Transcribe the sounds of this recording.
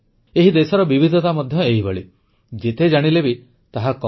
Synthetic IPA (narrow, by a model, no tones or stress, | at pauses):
eɦid̪esɔɾɔbibʱid̪ʱɔt̪amɔd̪ʱjɔeɦibɔɭi | d͡ʒet̪ed͡ʒaɽ̃ilebi | t̪aɦakɔ